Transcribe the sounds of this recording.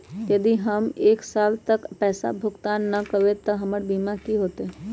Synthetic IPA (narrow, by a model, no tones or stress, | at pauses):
jɐd̪iɦɐmeːksaːlt̪ɐkpɛːsa̰bʱʊɡt̪aːnːɐkɐwet̪ɐɦɐməɽbiːmakiɦoːt̪ɛː